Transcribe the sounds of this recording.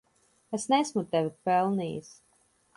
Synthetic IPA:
esnɛsmut̪ɛvipɛlˠniːjḭs

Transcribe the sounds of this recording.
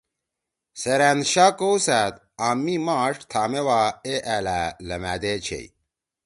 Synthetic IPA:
seɾæːnɕaːkowsæt̪ | aːmːimaːʂt̪ʰaːmewaeʔæːlælɐmæ̰ːd̪eːt͡ɕʰḛij

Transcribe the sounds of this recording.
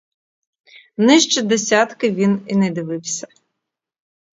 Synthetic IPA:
nɪʃt͡ʃɪd̪esʲat̪kɪʋʲininɛd̪ɪʋɪwsʲɐ̥

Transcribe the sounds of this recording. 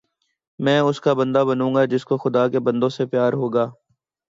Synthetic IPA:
mɛ̃ːʊskabɐ̃nd̪abənũːŋɡad͡ʒɪskoxʊd̪aːkebɐ̃nd̪õsepjaːɾɦoːɡaː

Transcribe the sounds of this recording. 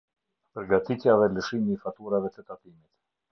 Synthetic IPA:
pəɾɡat̪it̪javɛləʃimiːfat̪uɾavɛt̪ət̪ap̪imit̪

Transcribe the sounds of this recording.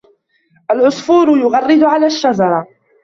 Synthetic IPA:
ʔalʕʊsfuːɾʊjʊɣɑrˤːɪd̪ʊʕalaːʃːad͡ʒɑɾˤɑ

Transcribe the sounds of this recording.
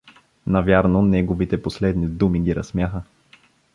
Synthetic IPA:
nɐvʲjaɾnonɛɡovit̪ɛposlɛd̪nid̪umiɡiɾɐsmjaxə

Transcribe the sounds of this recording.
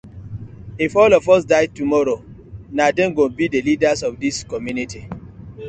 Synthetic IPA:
ifɔlɔfɔs̬daɪd̚tumɔɾo | nadɛ̃nɡõnbidelidasɔfdiskɔmjuniti

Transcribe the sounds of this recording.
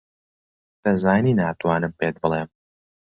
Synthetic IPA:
d̪̥ɐzaːjninaːt̪uwaːnɨmpeːt̪̚bəleːm

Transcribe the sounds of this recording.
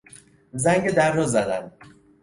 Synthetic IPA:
zæŋɟed̪ærːɒzæd̪æn

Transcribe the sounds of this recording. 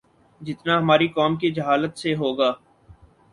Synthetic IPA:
d͡ʒɪt̪naɦɐmaːɾikɔːmkid͡ʒɐɦaːlət̪seɦoːɡaː

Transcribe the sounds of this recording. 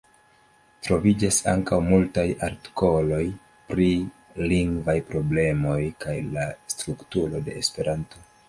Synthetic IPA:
tɾo̞vid͡ʒasa̰ŋkawmultajaɾti̥ko̞lo̞j | pɾi | liŋɡvajpɾo̞ble̞mo̞jkajlastɾuktuɾo̞de̞̰ːspe̞ɾʔanto̞

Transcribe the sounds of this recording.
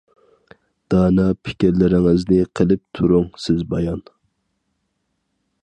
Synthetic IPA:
d̪̥ɑːnɑpʰɪ̥kʲiɾlɪɾɪŋɪznɪqʰəlˠɪp̚t̪ʰuɾʊŋsɪzbɑjɑn

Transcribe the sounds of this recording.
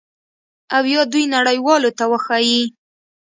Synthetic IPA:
awjɑd̪ujnaɽəjwɑlot̪awəxɑji

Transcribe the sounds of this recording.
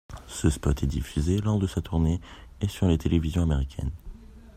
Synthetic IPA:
səspɔt̪ʰɛd̪ifyzelɔʁd̪əsat̪ʰuʁneːsyʁlet̪ʰelʔevizjɔ̃ameʁikʲʰɛ̰n

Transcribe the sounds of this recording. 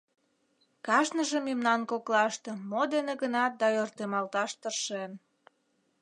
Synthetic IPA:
kɑʃnəʒə̆memnɑnkoklɑʃt̪ĕmod̪eneɣənɑt̪̚d̪ɑørt̪emɑlt̪ɑʃt̪ərʃen

